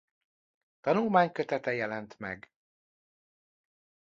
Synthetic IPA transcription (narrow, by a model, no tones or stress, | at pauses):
t̪ɒnulmaːɲkøt̪ɛt̪ɛjɛlɛnt̪mɛ̰ɡ